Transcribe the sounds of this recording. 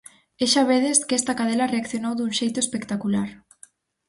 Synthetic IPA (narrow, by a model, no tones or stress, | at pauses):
eʃaβeðeskɛst̪ɐkaðelɐreakθjonowðuŋʃejt̪oespekt̪akulaɾ